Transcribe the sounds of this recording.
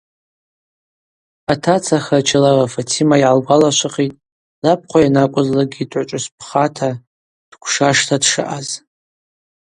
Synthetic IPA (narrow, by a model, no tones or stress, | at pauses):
atʰat͡sʰaχat͡ʃʰalarafatʰimaiʕalɡʷalaʃʷʰɨqʼitʼ | lap̚ʰqʷʰajanakʷʼʊzlaɡʲidʰʼʕʷʊt͡ʃʷʼʊspʰχatʰa | d̥kʷʰʂaʂtʰadʂɨ̰ʔaz